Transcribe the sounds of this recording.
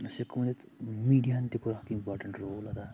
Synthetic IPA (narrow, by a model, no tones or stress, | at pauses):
sekmɐnit̪ | miːɖijant̪ikuɾahkiimpaːɾʈɐ̃ɳʈɾoːlɐd̪a